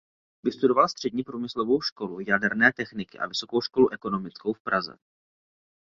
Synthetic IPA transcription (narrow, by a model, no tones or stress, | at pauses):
vɪst̪udo̞valst̪r̝̥ɛdɲiːpɾuːmɪslovo̞wʃko̞lujadɛɾnɛːt̪ɛxnɪkɪʔa̰vɪso̞kowʃko̞luʔɛko̞nomɪt͡skowfpɾazɛ̰